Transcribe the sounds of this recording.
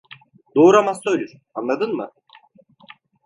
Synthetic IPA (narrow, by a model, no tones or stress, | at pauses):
d̪oːɾamast̪ˠøjlʲyɾ | anˠad̪ɯnmɯ̰